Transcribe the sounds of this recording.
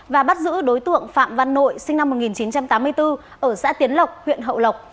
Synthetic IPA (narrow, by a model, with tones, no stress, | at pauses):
vaː˨˩ɓa˦˥t̚zɨ̰˧˥ɗo˨˦jt̪ɨ̰˧˨əŋfa̰ː˧˨mva˧˨nːo̰˧˨jsï˧ŋna˧mːo˨˩t̚ŋi˨˩nt͡ɕi˨˦nt͡ɕa˧mt̪aː˨˦mːɨ˧əjt̪ɨ˧ | ʔəː˧˩sa̰ː˧˥t̪i˨˦ənlə˨˩wk͡p̚hwḭ˧˨ənɦə̰˧˨wlə˨˩wk͡p̚